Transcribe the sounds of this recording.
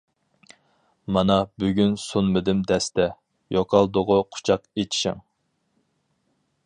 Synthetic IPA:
mɑnɑbyɡʲynsunmɨd̪ɪmd̪ɛst̪ɛ | joqʰɑlˠd̪ʊʁʊqʰʊ̥t͡ʃʰɑqet͡ʃʰi̥ʃɪ̰ŋ

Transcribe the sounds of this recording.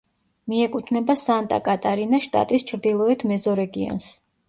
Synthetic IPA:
miɛkʼut̪ʰnɛbasant̪ʼa̰kʼat̪ʼaɾinaʃt̪ʼa̰t̪ʼist͡ʃʰɾd̪ilˠɔɛt̪ʰmɛzɔɾɛɡiɔ̰ns

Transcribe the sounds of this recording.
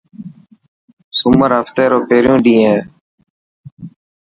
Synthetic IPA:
sʊməɾɦəft̪eːɾoːpeːɾjõːɗĩːẽː

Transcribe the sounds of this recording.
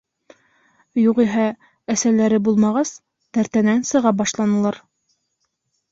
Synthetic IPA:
juʁiɦæ | æsælæɾɘbulˠmɑʁɑs | t̪æɾt̪ænænsɤ̆ʁɑbɑʃlˠɑnɤ̆lˠɑɾ

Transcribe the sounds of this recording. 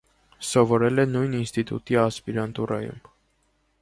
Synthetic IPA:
sɔvɔɾɛlɛnujninst̪it̪ṵt̪iɑspiɾɑnt̪urɑjṵm

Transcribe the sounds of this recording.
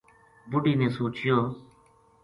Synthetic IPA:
bʊɖiːnẽːsoːt͡ʃɪjoː

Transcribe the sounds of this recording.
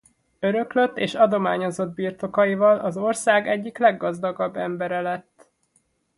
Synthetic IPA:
ø̞ɾø̞kløt̪ːḛːʃɒd̪o̞maːɲo̞zo̞d̪̚biːrt̪o̞kɒjivɒlɒzo̞rsaːɡɛɟːiklɛɡːɒzd̪ɒɡɒbːɛmbɛɾɛlɛt̪ː

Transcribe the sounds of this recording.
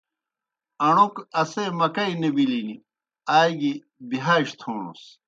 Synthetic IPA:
ɐɳukɐsemɐkɐinɐbilini | aːjɡi | biɦaiɕt̪ʰoːɳṵs

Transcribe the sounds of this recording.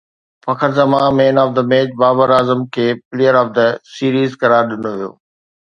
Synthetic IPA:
fɐkʰəɾzɐmãmẽːnɔːfd̪əmeːd͡ʒbaːbəɾaːzəmkʰeːpɪleːjəɾɔːfd̪əsiːɾiːzkɐɾaːɾɗɪnoʋijo̰ː

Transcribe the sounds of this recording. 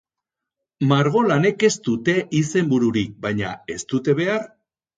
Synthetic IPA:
maɾɣ̞o̞lane̞ke̞st̪ut̪e̞ʔise̞mbuɾuɾik̚bajɲa̰e̞st̪ut̪e̞βe̞aɾ

